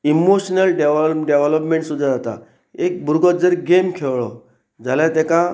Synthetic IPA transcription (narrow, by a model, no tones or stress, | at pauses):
imoɕnəlɖeʋɖeʋələpmẽɳʈsud̪ʱːad͡zat̪a̰ | ek̚bʱuɾɡɔd͡zəɾɡemkʰeʋɭɔ | d͡zʱaljãt̪ɛka